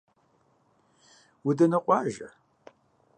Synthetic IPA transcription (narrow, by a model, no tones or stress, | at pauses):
widɐnɨqʷʼɑʒa̰